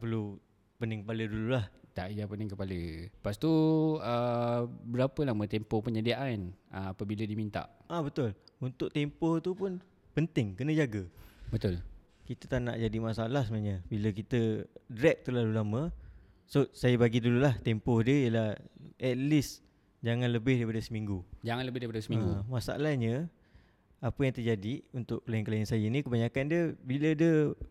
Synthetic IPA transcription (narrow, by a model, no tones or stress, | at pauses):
pərlu | pənɪŋkəpalədululaht̪aʔjapənɪŋkəpaləpast̪uəbəɾapəlahmət̪empɔpəɲədiaʔanəapəbilədimint̪a̰ʔabət̪ʊlunt̪ʊʔ̚t̪empɔht̪upʊn | pənt̪ɪŋkənə̃d͡ʒaɡəbət̪ʊl | kit̪ət̪aʔna̰ʔd͡ʒadimasalahsəmaʔɲəbiləkit̪ədɾɛk̚t̪əlalulamə | sosajəbaɡidululaht̪ɛmpɔhdiəijəlahʔɛt̪̚lis | d͡ʒaŋãnləbɪhdaɾipadəsəmiŋɡud͡ʒaŋãnləbɪhdaɾipadəsəmiŋəɡumasa̰a̰lahɲə | apəjaŋt̪əd͡ʒadiunt̪ʊʔklaɪnkəlaɪnsajənikəbaɲakandiəbilədə